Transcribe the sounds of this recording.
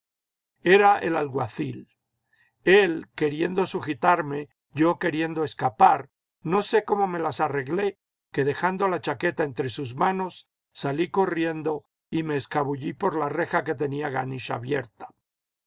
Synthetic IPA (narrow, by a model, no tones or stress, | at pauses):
e̞ɾaḛlalɣwa̰θil | e̞lke̞ɾje̞nd̪o̞suxit̪aɾme̞ | ʝo̞ke̞ɾje̞nd̪o̞eskapaɾ | no̞se̞ko̞mo̞me̞lasare̞ɣle̞ | ke̞ðe̞xand̪olat͡ʃake̞t̪ae̞nt̪ɾe̞suzmano̞sː | aliko̞rje̞nd̪o̞ | ime̞ːskaβuʎipo̞ɾlare̞xake̞t̪e̞niaɣaniʃa̰βje̞̰ɾt̪ḁ